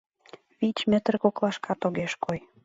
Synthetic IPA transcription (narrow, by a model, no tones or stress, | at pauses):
βit͡ɕmĕt̪rkoklˠɑʃkʰɑt̪oɣeʃkoj